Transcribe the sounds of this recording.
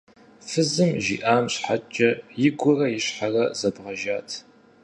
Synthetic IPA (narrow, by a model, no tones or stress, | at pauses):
fɨzɨmʒḭːʔaːmɕħat͡ʃʼɐjɪɡʷʊrɐjɪɕħarɐzɐbʁɐʒaːtʰ